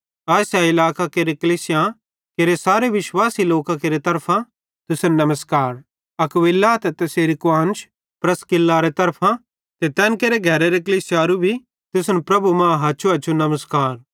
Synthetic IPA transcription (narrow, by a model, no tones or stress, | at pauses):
aːsjaɪlaːkakeːɾekɐliːsɪjã | keɾesaːɾeʋɪʃwaːsiloːkãkeɾet̪ɐɾpʰã | t̪ʊsnnɐməskaːɾ | ɐkʋɪlːaːt̪ɛt̪ɐseːɾikʊãːnt͡ʃʰ | pɾɐskɪlːaɾet̪ɐɾpʰã | t̪et̪ɛ̃ːnkeːɾeɡʱɛːɾeɾekɐliːsɪjaːɾubʱi | t̪ʊsnpɾɐbumãɦɐːʃʰuɐːt͡ʃʰunɐməskaːɾ